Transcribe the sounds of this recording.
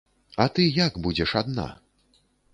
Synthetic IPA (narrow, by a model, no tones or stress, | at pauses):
ɐt̪ɨjaɡbud͡zʲɛʂad̪na̰